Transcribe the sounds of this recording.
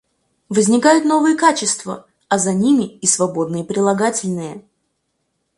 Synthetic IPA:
vəzʲnʲɪkajʊt̪no̞vɨjəkat͡ɕɪst̪və | ɐzɐnʲimʲɪːsvɐbo̞d̪nɨjəpɾʲɪlˠɐɡatʲɪlʲnɨjə

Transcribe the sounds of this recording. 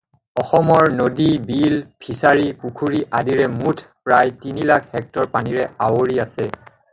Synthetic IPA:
ɔxɔmɔɹnodibilpʰisaɹikukʰuɹiʔadiɹɛmutʰpɹajtinilakʰɛk̚tɔɹpaniɹɛawoɹiasɛ

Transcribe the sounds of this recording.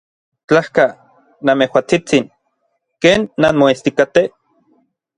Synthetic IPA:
t͡ɬahka | namehwat͡sit͡sin | keːnːanmoest̪ikat̪e

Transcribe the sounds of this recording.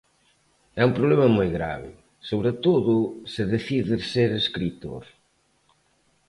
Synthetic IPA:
ɛumpɾoβlɛmɐmojɣɾa̰βɪ̰ | soβɾet̪oðʊsɪðeθiðɪɾseɾeskɾit̪o̰ɾ

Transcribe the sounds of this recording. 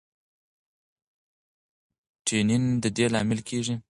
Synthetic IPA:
ʈʰenind̪əd̪elɑmɪlkʰeʐi

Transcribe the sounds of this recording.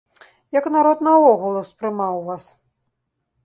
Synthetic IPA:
jɐknaɾɔt̪nɐɔɣulˠuspɾɨmawvas

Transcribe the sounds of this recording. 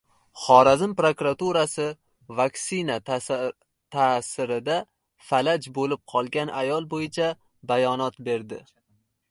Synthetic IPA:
χɒɾazɪmpɾokɾat̪uɾasɪ | vaksɪna | t̪ʰasɪɾɪd̪a | falad͡ʒbolɪp̚qʰɒlˠɡʲanajɒlˠbojɪt͡ʃʰa | bajɒnɒt̪be̞ɾd̪ɪ

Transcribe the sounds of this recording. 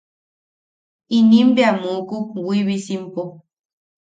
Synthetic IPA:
inimbeamukukwiβisimpo

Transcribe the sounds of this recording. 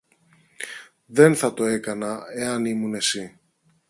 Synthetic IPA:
ðe̞nθɐt̪o̞e̞kɐnɐe̞ɐnimune̞si

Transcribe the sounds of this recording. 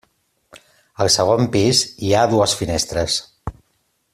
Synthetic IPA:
əlˠsəɣ̞ompiziaðuəsfinest̪ɾəs

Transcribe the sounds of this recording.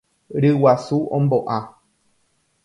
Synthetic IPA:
ɾɨwasuʔõmboʔã

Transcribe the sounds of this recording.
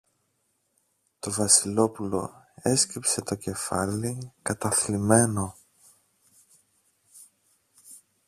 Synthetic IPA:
t̪o̞vɐsilo̞pulo̞̰ | e̞scɾipse̞t̪o̞ce̞fɐ̰likɐt̪ɐθlime̞no̞

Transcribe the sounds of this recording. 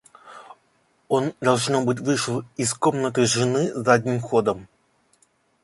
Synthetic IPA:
o̞nd̪ɐlˠʐnobɨtʲvɨʂɨlˠɪsko̞mnət̪ɨʐɨnɨzadʲnʲimxo̞d̪əm

